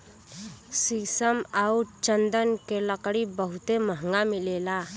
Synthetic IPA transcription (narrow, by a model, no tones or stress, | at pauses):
sisəmauɾt͡ʃənd̪ənkeləkɽibəɦʊt̪eməɦŋɡamɪlela